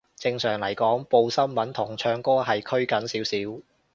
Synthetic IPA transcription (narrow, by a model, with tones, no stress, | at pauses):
t͡sɪ˧ŋsœː˨˩ŋlɐ˨˩jkɔː˨˥ŋpo˧wsɐ˥mmɐ˨˥nt̪ʰʊ˨˩ŋt͡ʃʰœː˧ŋkɔː˥ɦɐ˨jkʰɵ˥ɥkɐ˨˥nsiː˨˥wsiː˨˥w